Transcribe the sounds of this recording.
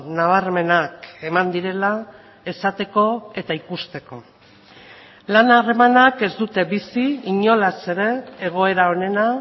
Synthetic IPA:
naβ̞arme̞nake̞mand̪iɾe̞la | e̞sat̪e̞ko̞e̞t̪aikust̪e̞ko̞ | lanare̞manake̞zd̪ut̪e̞bisiiɲo̞lase̞ɾe̞ːɣ̞o̞e̞ɾao̞ne̞na

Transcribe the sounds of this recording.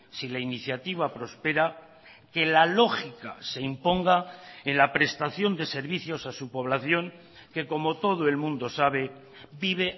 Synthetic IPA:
silainiθjat̪iβ̞apɾo̞spe̞ɾa | ke̞lalo̞xikase̞impo̞ŋɡaenlapɾe̞st̪aθjo̞nd̪e̞se̞ɾβiθjo̞sasupo̞β̞laθjo̞ŋ | ke̞ko̞mo̞t̪o̞ð̞oe̞lmũnd̪o̞saβ̞e̞ | biβ̞e̞

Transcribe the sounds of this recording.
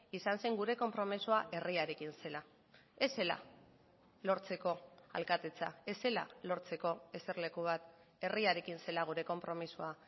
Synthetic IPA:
isanseŋɡuɾe̞ko̞mpɾo̞misuaʔe̞riaɾe̞kinse̞la | e̞se̞la̰ | lo̞ɾt͡se̞ko̞a̰lkat̪et͡sae̞se̞la̰lo̞ɾt͡se̞ko̞e̞se̞ɾle̞kuβ̞at̪ | e̞riaɾe̞kinse̞laɣ̞uɾe̞ko̞mpɾo̞misua

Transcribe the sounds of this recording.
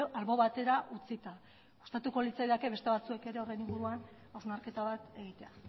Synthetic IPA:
alβo̞βat̪e̞ɾaʔut͡sit̪a | ust̪at̪uko̞lit͡sajðake̞βe̞st̪e̞β̞at͡sue̞ke̞ɾe̞ore̞jniŋɡuɾuan | awzmaɾke̞t̪aβat̪e̞ɣ̞it̪e̞a

